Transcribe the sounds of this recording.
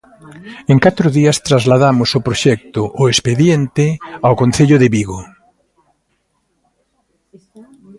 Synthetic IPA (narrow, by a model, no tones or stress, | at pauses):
eŋkat̪ɾʊðiɐst̪ɾazlaðamʊsʊpɾoʃɛk̚t̪ʊʔʊespeðjent̪ɪawkon̟θeʎʊðeβiɣo